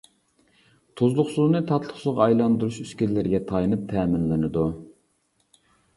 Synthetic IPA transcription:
t̪ʰuzlˠʊχsuznɨt̪ʰɑt̪ʰlˠəχsʊzʁɑɑjlˠɑnd̪uɾuʃyskʲillːɪɾɡʲɛt̪ʰɑjnɨp̚t̪ʰɛːmɪnlɪnɨd̪u

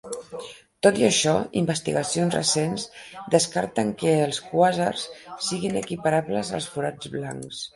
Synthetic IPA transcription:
t̪ot̪iəʃɔimbəst̪iɣəsionzrə̰senzd̪əskaɾt̪əŋkəəlˠskwazərssiɣinəkipəɾaβləzə̰lˠsfuɾad͡zβla̰ŋks

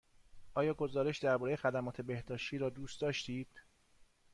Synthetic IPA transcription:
ʔɒːjɒːɡo̞zɒːɾe̞ʃd̪æɾbɒːɾe̞je̞xæd̪æmɒːt̪ʰe̞be̞hd̪ɒːʃt̪iːɾɒːd̪uːst̪d̪ɒːʃt̪iːd̪̥

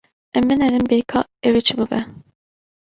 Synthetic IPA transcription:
ɛmbɨnɛɾɨmbeːkʰɑːɛwet͡ʃʰɨbubɛ

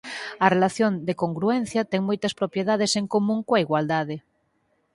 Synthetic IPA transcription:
ɐrelaθjond̪ekoŋɡɾuɛn̟θjɐt̪ɛŋmojt̪ɐspɾopjeðaðeseŋkomũŋkoɐiɣwald̪aðɪ

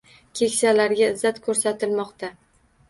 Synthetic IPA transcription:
kʲʰe̞kʲsalaɾɡʲaɪzːat̪kʰɵɾsat̪ʰɪlmɒqt̪ʰa

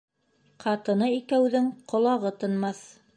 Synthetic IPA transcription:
qʰɑt̪ɤ̆nɤikæwðɘŋqʰŏlˠɑʁɤt̪ɤ̆nmɑθ

